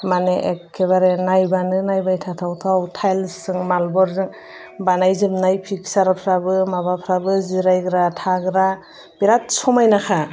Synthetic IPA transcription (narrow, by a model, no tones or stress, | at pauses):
maneʔekʰːeβaɾenajbanɯnajbajtʰatʰawtʰawtʰajlsɯŋmalbɔɾzɯŋ | banajzɯmnajpʰik̚saɾapʰɾabɯmabapʰɾabɯziɾajɡɯɾatʰaɡɯɾa | b̥iɾat̚sɔmajnakʰa